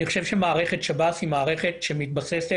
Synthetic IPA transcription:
niχoʃe̞vʃe̞maːʁeχet̪ʃabasimaːʁe̞χe̞t̪ʃemit̪basese

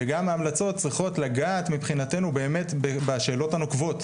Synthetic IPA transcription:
eɡamaːmlat͡so̞t̚t͡sʁiχo̞tlaɡaːt̪mipχinate̞nube̞ːme̞t̪bebaʃe̞ːlo̞tanokvo̞t̪

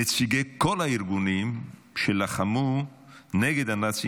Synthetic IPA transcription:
et͡siɡekolaiɾɡunim | ʃelaχamu | neɡed̪anat͡si

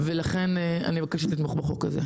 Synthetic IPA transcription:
velaχe̞nea̰nibakaʃat̪it̪moχbaχokazḛ

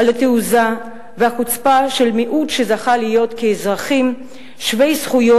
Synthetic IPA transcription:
alat̪euza | vehakut͡spaʃe̞lmiʔut̪ʃezaχalijo̞t̪keːzʁaχim | ʃve̞jsχujo

